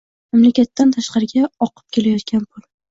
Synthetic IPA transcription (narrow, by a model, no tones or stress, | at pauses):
mamlakʲat̪ːant̪ʰaʃqɑɾɪɡʲaɒqʰɨ̥p̚kʲʰe̞lajɒt̪kʲʰanpʰʊl